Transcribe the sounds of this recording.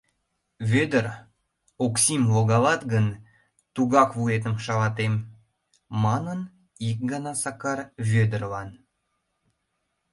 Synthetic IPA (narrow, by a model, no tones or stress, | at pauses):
vʲød̪ər | oksʲimloɣɑlɑt̪ɡən | t̪uɣɑkvuet̪əmʃɑlɑt̪emː | ɑnən | ik̚ɡɑnɑsɑkɑrvʲød̪ərlɑn